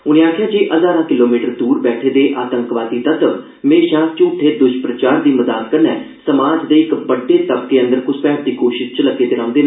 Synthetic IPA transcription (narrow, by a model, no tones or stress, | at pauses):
ʊñẽːaːkʰjãːd͡ʒeːʔəzaːɾãːkɪloːmiːʈəɾd̪uːɾbɛːʈʰeːd̪eːʔaːt̪əŋkʋaːd̪iːt̪ət̪əʋ | mẽːʃãːst͡ʃũːʈʰːeːd̪ʊʃpɾət͡ʃaːɾd̪iːməzaːt̪kəɾnɛː | səmaːd͡ʒd̪eːɪkbəɖːeːt̪əpkeːə̃nd̪əɾkʊspɛːɾt̪iːkoːʃɪst͡ʃələɡeːt̪eːɾãːnd̪eː